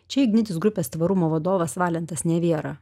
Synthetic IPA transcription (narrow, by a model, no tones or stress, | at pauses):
t͡ʃʲɛɪɡʲnʲɪt̪ʲɪsɡɾʊpʲeːst̪ʋɐɾʊmoːʋɐd̪oːʋɐsʋɑːlʲɛnt̪ɐsnʲɛʋʲiɛɾɑː